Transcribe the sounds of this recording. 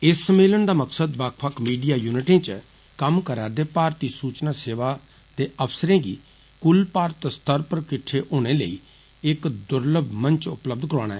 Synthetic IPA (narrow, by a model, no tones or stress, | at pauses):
ɪsːəmeːləɳd̪aːməksəd̪baːkʰpʰəkmiːɖijaːjuːnɪʈẽːt͡ʃə | kəmkəɾaːɾd̪eːpaːɾt̪iːsuːt͡ʃnaːseːʋaː | d̪eːʔəpsəɾẽːɡiː | kʊlpaːɾt̪st̪əɾpəɾkɪʈʰːeːʔoːɽ̃eːləḭː | ɪkd̪ʊɾləb̚mə̃nt͡ʃʊpləb̚d̪kəɾãːɽ̃a̰ːɛː